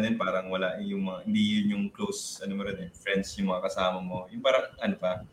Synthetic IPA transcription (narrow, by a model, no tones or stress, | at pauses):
nɪnpaːɾɐŋwɐlaʔjʊŋmɐŋahɪnd̪ijʊnjʊŋklowsɐnomɐɾɛnɛfɹɛnd̪sjʊŋmɐŋakɐsaːmɐmo̞jʊŋpaːɾɐŋʔɐnopɐ